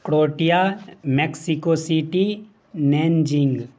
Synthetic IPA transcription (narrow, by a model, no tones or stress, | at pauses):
kɽoːʈijameksikosiʈi | neːnd͡ʒiŋɡ